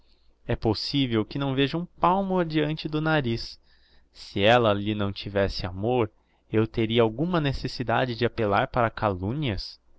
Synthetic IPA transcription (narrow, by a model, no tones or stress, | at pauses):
ɛposivewkɪnɐ̃w̃veʒɐũpawmʊad͡ʒiɐ̃nt͡ʃɪd̪ʊnaɾisː | ɪɛlɐːlinɐ̃w̃t͡ʃivɛsɪamoɾ | ewt̪eɾiɐawɡũmɐnesesid̪a̰d͡ʒɪd͡ʒɪapelaɾpaɾɐkalũɲiɐs